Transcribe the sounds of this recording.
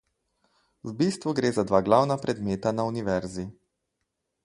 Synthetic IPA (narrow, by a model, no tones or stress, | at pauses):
zbist̪ʋuɡɾeːzad̪ʋaːɡlawnapɾɛd̪meːt̪anauniʋɛɾzi